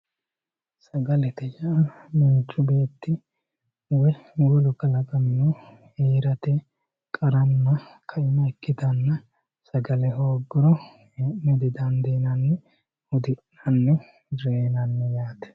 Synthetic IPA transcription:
sɐɡɐlɛt̪ɛd͡ʒɐɐmiːt͡ʃːʊbe̞ːt̪ːɪ | wɛwɔlʊkɐlɐkʼɐmɪno | heːɾɐt̪ɛ | kʼɐɾɐnːɐkʰɐɪmːɐɛkːɪd̪ɐnːɐ | sɐɡɐlɛɦoːɡːɪɾɔ | nɛd̪ɪd̪ɐnd̪eːnɐnːɛ | hʊd̪ɪʔːɐnːɛ | ɾeːnɐnːɛjaːt̪ɛ̥

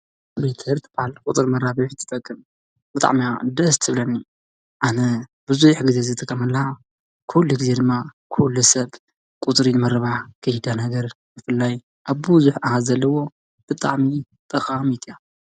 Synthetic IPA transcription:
lit̪ʰɨhɾt̪ʰbahlkʼut̪ʼɨɾmɐɾaβɐħt̪ʰɨ̥t̪ʼɐkʼːɨm | bɨt̪ʼa̰ʕmiad̪ɐst̪ʰɨβlɐnːi | ʔanɐbɨzujħɡɨzezɨt̪ʰʼɨkʼːɐmɐlːɐa | kʰulːuɡɨzed̪ɨmːakʰulːusɐβ | kʼut̪ʼɨɾimɐɾɨβakʰɐhd̪anɐɡɐɾ | bɨfɨlːaj | ʔaβːuzuħʔahazɐlːɐwo̞ | b̥ɨt̪ʼa̰ʕmi | t̪ʼɐkʼamit̪ʰija

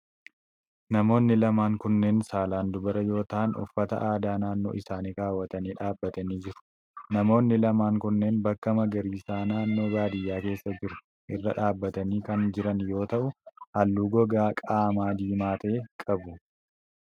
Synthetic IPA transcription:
nɐmo̞ːnːɪlɐmaːŋkʊnːe̞ːnsaːlaːnd̪ʊbɐɾɐjo̞ːt̪aːnʊ̰fːɐt̪ɐ̰ʔaːd̪aːnaːnːo̞̰ːʔɪsaːniːɾaːwːɐt̪ɐniːᶑaːbːɐt̪ɐniːd͡ʒɪɾʊ̥ | nɐmo̞ːnːɪlɐmaːŋkʊnːe̞ːnbɐkːɐmɐɡɐɾiːsaːnaːnːo̞ːɡaːd̪ɪjːaːke̞ːsːɐd͡ʒɪɾʊ̥ | ʔɪrːɐᶑaːbːɐt̪ɐniːkɐnd͡ʒɪɾɐnjo̞ːt̪ɐʔʊʔɐlːuːɡɔɡaːkʼaːmaːd̪iːmaːt̪ɐːkʼɐbʊ

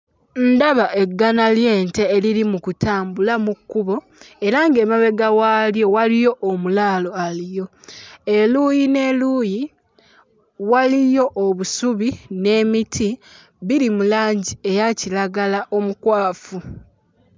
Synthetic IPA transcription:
n̩daβaʔe̞ɡːanalje̞ːnte̞ːliɾimukutʰaːmbulamukːuβo̞ | e̞ɾaŋɡe̞ːmaβe̞ɡawaːljo̞walijo̞ʔːmulaːlo̞alijo̞e̞luːjine̞luːji | walijo̞ʔːβusuβine̞ːmitʰi | βiɾimulaːɲɟie̞jacilaɡalaʔo̞mukwaːfu

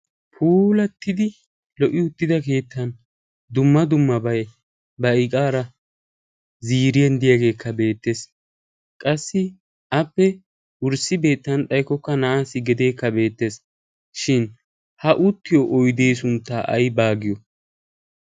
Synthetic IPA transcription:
pʰuːlɐt̪ːɪd̪ɪ | lɔʔɪʊt̪ːɪd̪ɐke̞ːt̪ːɐn | d̪ʊmːɐd̪ʊmːɐbɐj | bɐɪkʼaːɾɐ | ziːɾɪjɛnd̪ɪjaːɡe̞ːkːɐbe̞ːt̪ːe̞ːs | kʼɐsːɪ | ɐpːɛ | ʊɾsɪbe̞ːt̪ːɐnt̪ʼɐjkːɔkːɐnɐaːsːɪɡɛd̪e̞ːkːɐbe̞ːt̪ːe̞s | ʃɪn | hɐʔʊt̪ːɪjɔʔɔjd̪eːs̬ʊnt̪ːaːʔɐ̰jbaːɡɪjɔ

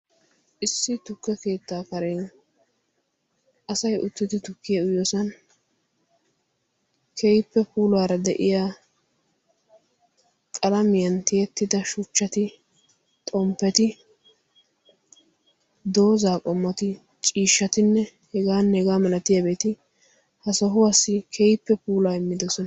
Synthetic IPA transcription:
ʔɪsːɪt̪ʊkːɛke̞ːt̪ːaːkɐɾɛn | ʔɐsɐjʔʊt̪ːɪd̪ɪt̪ʊkːɪjɐʊjoːsɐn | kʰejpːɛpuːlaːɾɐd̪ɛʔɪjaː | kʼɐlɐmɪjɐnt̪ɪjɛt̪ːɪd̪ɐʃʊt͡ʃːɐt̪ɪ | t̪ʼɔmpːɛt̪ɪ | d̪o̞ːzaːkʼɔmːɐt̪ɪ | t͡ʃʼiːʃːɐt̪ɪnːɛ | hɛɡaːnhɛɡaːmɐlɐt̪ɪjabe̞ːt̪ɪ | hɐsɔɦʊwasɪkʰejɪpːɛpuːlaːɪmːɪd̪ɔsɔn

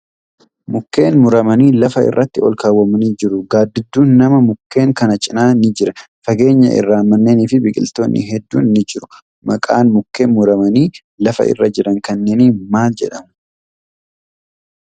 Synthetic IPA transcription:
mʊkːe̞ːnmʊɾɐmɐniːlɐfɐɪ̰rːɐt̪ːɪɔlkaːwːɐmɐniːd͡ʒɪɾʊɡaːd̪ːɪd̪ːuːnːɐmɐmʊkːe̞ːŋkɐnɐt͡ʃʼɪnaːnɪd͡ʒɪɾɐ | fɐɡe̞ːɲːɐ̰ʔɪ̰rːaːmɐnːe̞ːniːfɪbɪkʼɪ̰lt̪oːnːɪ̰ɦɛd̪ːṵːnnɪd͡ʒɪɾʊ̥ | mɐkʼaːnmʊkːe̞ːnmʊɾɐmɐniː | lɐfɐ̰ʔɪ̰rːɐd͡ʒɪɾɐŋkɐnːeːnimaːld͡ʒɛᶑɐmʊ̥

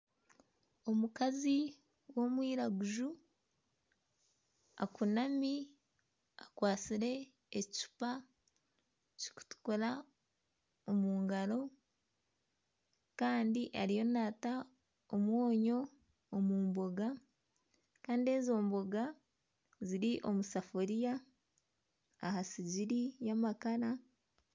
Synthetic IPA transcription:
o̞mukazi | wo̞mwiːɾaɡuʒu | a̰kunami | akwaːt͡siɾe̞ː | ci̥pa | ci̥ku̥tu̥koɾa | omuːŋɡaɾo̞ | kaːndiʔaɾijo̞naːta | omwo̞ːɲo̞ː | muːmboɡa | kaːndie̞zo̞ːmboɡa | ziɾiʔo̞musafoɾija | hasiɟiɾijamakaɾa

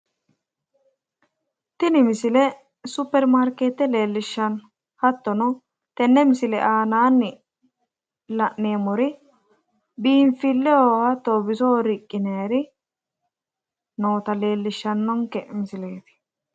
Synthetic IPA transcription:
t̪ɪnɪmɪsɪlɛ | sʊpːɛɾmaɾkeːt̪ːɛle̞ːlːɪʃːɐn | hɐt̪ːɔnɔ | t̪ɛnːɛmɪsɪlɛʔaːnaːnːɪ | lɐʔneːmɔɾɪ | biːnfɪlːɛoːhɐt̪ːoːbɪsɔɾɪkʼːɪneɐɾɪ | noːt̪ɐle̞ːlːɪʃːɐnːɔŋkɛmɪsɪleːt̪ɪ̥

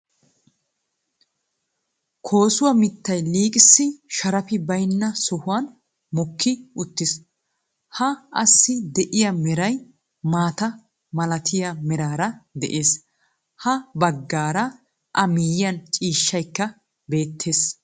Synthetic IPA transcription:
kʰo̞ːsʊwɐmɪt̪ːɐjliːkʼɪsːɪʃɐɾɐfɪbɐjnːɐsɔhʊwɐn | mɔkːɪʊt̪ːɪs | hɐʔɐsːɪd̪ɛʔɪjɐmɛɾɐj | maːt̪ɐ | mɐlɐt̪ʰɪjamɛɾaːɾɐd̪ɛ̰ʔe̞ːs | hɐbɐɡːaːɾɐ | ʔɐmijɪjɐnt͡ʃʼiːʃːɐjkːɐ | be̞ːt̪ʰːe̞ːs

